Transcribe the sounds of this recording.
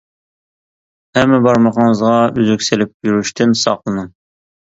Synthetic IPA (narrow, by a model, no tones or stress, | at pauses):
hɛmːɛbɑɾmɑqɑɴzʁɑyzykʲsɪlɪp̚jyɾyʃt̪ʰɪnsɑ̰qlˠɨnɨŋ